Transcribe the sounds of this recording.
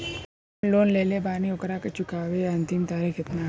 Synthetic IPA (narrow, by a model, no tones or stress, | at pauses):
loːnleːlebaːniʊkɾaket͡ʃʊkaːʋeɐ̃nt̪ɪmt̪aːɾikɪt̪na